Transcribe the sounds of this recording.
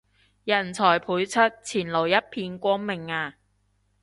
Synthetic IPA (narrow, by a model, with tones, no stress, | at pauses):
jɐ˨˩nt͡sʰɔː˨˩jpʰuː˨˥jt͡sʰɵ˥t̚t͡sʰiː˨˩nlo˨˩wjɐ˥t̚pʰiː˧nkʷɔː˥ŋmɪ˨ŋaː˧